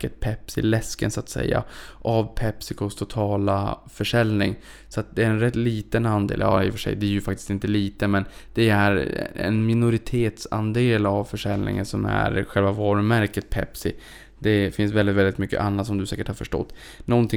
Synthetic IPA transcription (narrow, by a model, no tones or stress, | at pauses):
kət̪̚pʰɛpsɪ̰lɛskə̰nsat̪sɛ̰jːa̰ʔavpʰɛpsɪkʰɔst̪ʰʊt̪ʰɑːlafœʂɛlnɪ̰ŋ | sɔat̪̚d̪ɛæɾɛnɾɛt̪ːliːt̪ənand̪ḛːljɑ̰ːɾɪfœʂɛ̰jd̪ɛæɾjɵfakt̪ɪ̥st̪ɪnt̪əliːt̪əmɛnd̪̥ɛæɾɛ̰nmɪnʊɾɪt̪ʰeːt̪sand̪eːlavfœʂɛlnɪ̰ŋə̰nsɔmæ̰ɾɧɛlvavɑːɾɵmæɾkət̪̚pʰɛ̰psɪ | d̪̥ɛfɪns̬vɛlɪt̪vɛlɪt̪mʏkːə̰ʔanːat̪sɔmd̪ɵsɛːkəʈhaɾfœʂʈɔ̰t̪ː | nɔnt̪ʰɪ